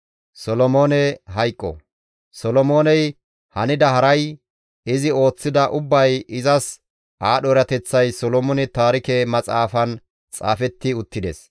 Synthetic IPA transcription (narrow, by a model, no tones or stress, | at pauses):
sɔlɔmo̞ːnɛɦɐjkʼːɔ̰ | sɔlɔmo̞ːnɛj | hɐnɪd̪ɐɦɐɾɐj | ɪzɪo̞ːt͡sːɪd̪ɐʔʊbːɐjɪzɐs | aːɗɔɾɐt̪ɛt͡sːɐjsɔlɔmɔnɛt̪aːɾɪkɛmɐt͡sʼaːfɐn | t͡sʼa̰ːfɛt̪ːɪʊt̪ːɪd̪ɛs